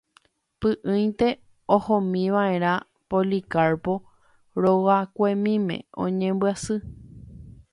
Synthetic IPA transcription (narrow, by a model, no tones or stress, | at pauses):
pɨʔɨ̃j̪̃t̪e̞ | ohõmĩʋaẽɾ̃ã | polikaɾpo | ɾowakʷemĩmḛ̃õ̰ɲẽmbɨasɨ